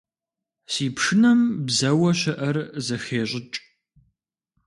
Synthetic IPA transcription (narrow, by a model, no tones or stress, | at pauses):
siːpʂɨnɐmbzɐwɐɕɐʔɐrzɐxeːɕʼɪt͡ʃʼ